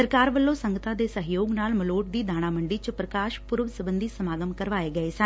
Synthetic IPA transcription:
əɾkaːɾʋəlːõːsəŋɡət̪ãːd̪eːsəɦjoːɡnaːlməloːʈ̚d̪iːd̪aːɽ̃aːməɳɖiːt͡ʃəpɾəkaːʃpʊɾʋsəbənd̪iːsəmaːɡəmkəɾʋaːeːɡəeːsə

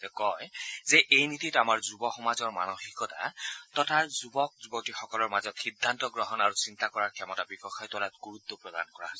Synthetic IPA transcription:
zɛkɔjzɛʔejnititamaɹzubɔxɔmazɔɹma̰nɔxikɔta̰tɔtʰazubɔk̚zubɔk̚tixɔkɔlɔɹmazɔtxidʱːantɔɡɹɔɦɔnaɹusintakɔɹaɹkʰɛmɔtabikɔxajtɔlatɡ̥uɹut̪ːɔpɹɔda̰nkɔɹa̰

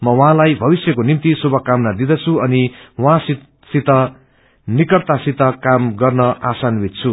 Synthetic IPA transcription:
mʌwɦãlajbʱʌbisjʌkonimt̪isobʱʌkːamnad̪id̪ʌt͡sʰuʌniwãsi | sit̪ʌ | nikʌrt̪asit̪ʌkamɡʌrnʌʔasanbʱit̪̚t͡sʰu

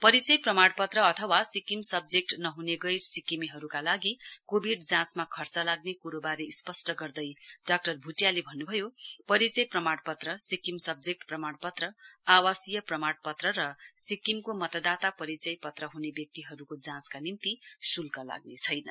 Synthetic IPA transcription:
pʌɾit͡sʌjprʌmaɽpʌt̪rʌːt̪ʰʌwasikimsʌbd͡zek̚ʈnʌɦuneɡʌjrsikimiɦʌɾukalaɡikobʱiɖd͡zãsmakʰʌrt͡sʌlaɡnekuɾobaɾeispʌsʈʌɡʌrd̪ʌjɖak̚ʈʌrbʱuʈjalebʱʌnːubʱʌjopʌɾit͡sʌjprʌmaɽpʌt̪rʌsikimsʌb̚d͡zek̚ʈprʌmaɽpʌt̪rʌawasijʌprʌmaɽpʌt̪rʌɾʌsikimkomʌt̪ʌd̪at̪apʌɾit͡sʌjpʌt̪rʌɦunebjʌk̚t̪iɦʌɾukod͡zãskanint̪isulkʌla̰ɡnet͡sʰʌjnʌ

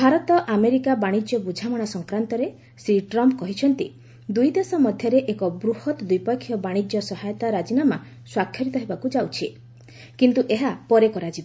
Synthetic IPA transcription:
bʱaɾɔt̪ɔʔameɾikabaɽ̃id͡ʒjɔbud͡ʒʱamaɽ̃asɔŋkɾant̪ɔɾe | sɾiʈɾɔmpkɔɦit͡ʃʰɔnt̪i | d̪ujd̪esɔmɔd̪ʱjɔɾeʔekɔbɾuhɔt̪ɔd̪ujpɔkʰːjɔbaɽ̃id͡ʒjɔsɔɦajɔt̪aɾad͡ʒinama | swakʰjɔɾit̪ɔɦebakud͡ʒawt͡ʃʰi | kint̪uʔeɦapɔɾekɔɾad͡ʒiba

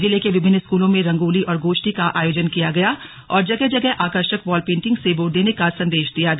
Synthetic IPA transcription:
d͡ʒɪlekeʋɪbʱɪnːskuːlõmẽɾɐ̃ŋɡuːliʔɔːɾɡoːʃʈikaʔa̰ːjoːd͡ʒənkijaɡɐja | ɔːɾd͡ʒɐɡɛɦd͡ʒɐɡɛɦʔaːkəɾʃəkʋɔːlpẽːɳʈɪ̃ŋɡseboːɾd̪eːnekasɐ̃nd̪eːʃd̪ijaɡɐ

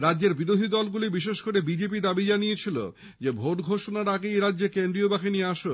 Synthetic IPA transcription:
ɾadːd͡ʑeɾbiɾod̪ʱid̪ɔlɡulibiʃeʃkoɾebid͡ʑep̬id̪abid͡ʑanijet͡ɕʰilo̰ | d͡ʑebʱoʈɡʱoʃonaɾaɡejɾadːd͡ʑekend̪ɾiobaxinijeaʃo

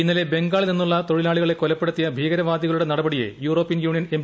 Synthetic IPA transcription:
inːɐle̞be̞ŋɡaːɭilenːuɭːɐt̪o̞ɻilaːɭiɣɐɭe̞kːolɐpːeɽut̪ːijɐbʱiːɡɐɾɐʋaːd̪jiɣɐɭuɽe̞nɐɽɐbɐɽijḛjuːro̞ːpːijɐnjuːɳijɐnem

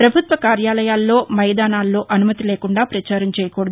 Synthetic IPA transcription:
pɾɐbʱut̪ʋɐkaːɾjaːlɐjaːlːo̞ːmɐjd̪aːnaːlːo̞ːʔɐnumɐt̪ileːkuɳɖaːpɾɐt͡ʃaːɾɐmt͡ʃɛːjɐkoːɽɐd̪

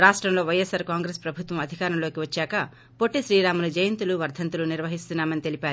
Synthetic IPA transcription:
ɾaːʂʈɾɐmlo̞ːʋɐjesɐɾkaːŋɡɾespɾɐbʱut̪ʋɐmɐd̪ʱikaːɾɐmlo̞ːkiʋɐt͡ʃːaːkɐ | po̞ʈːiʃɾiːɾaːmɐlud͡ʒɐjɐnt̪uluʋɐɾd̪ʱɐnt̪uluniɾʋɐɦist̪unːaːmɐnit̪elipaːɾu

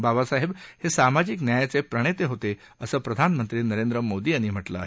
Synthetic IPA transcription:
babasaɦebhesamad͡ʑiknjajat͡sepɾəɽ̃et̪eɦot̪e | əsəːpɾəd̪ʱanmənt̪ɾiːnəɾend̪ɾəmod̪iːañim̤əʈlə̰ːɦe

